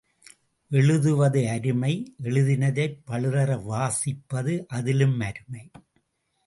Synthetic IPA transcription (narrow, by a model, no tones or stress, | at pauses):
ʔɛɭɯðɯʋɐðɯɐɾɯmɐɪʔɛɭɯðɪnɐðɐɪpːɐɭɯðɐɾɐʋaːsɪpːɐðɯʔɐðɪlɯmɐɾɯmɐɪ